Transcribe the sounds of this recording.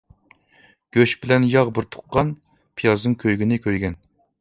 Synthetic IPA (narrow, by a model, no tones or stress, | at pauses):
ɡ̥ʲøʃbɪlɛnjɑʁbɪɾt̪ʰʊ̥qːɑn | pʰijɑznɨŋkʲʰøjɡʲinɪkʲʰøjɡʲɛn